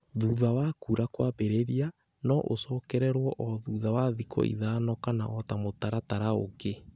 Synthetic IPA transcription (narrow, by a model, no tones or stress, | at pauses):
ðuðawakuɾakwaβeɾeɾia | nɔʔo̰sɔːkɛɾɛɾwɔʔɔðuðawaðikʰɔ̰ʔḭðaːnɔkana̰ʔɔtamotaɾataɾao̰ke